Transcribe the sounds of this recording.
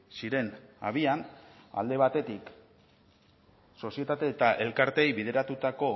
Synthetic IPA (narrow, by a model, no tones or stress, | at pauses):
siɾe̞na̰βiana̰ld̪e̞β̞at̪e̞t̪ik | so̞sie̞t̪at̪e̞ːt̪aʔe̞lkaɾt̪e̞jβið̞e̞ɾat̪ut̪ako̞